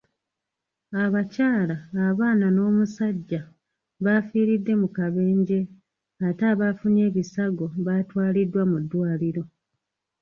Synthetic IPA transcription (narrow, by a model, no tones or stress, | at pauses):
aβacaːlaːβaːnano̞ːmusaɟːa | βafiːɾidːe̞mukaβe̞ːɲɟe̞ | ataːβafune̞ːβisaɡo̞βatwaːlidːwamudːwaːliɾo̞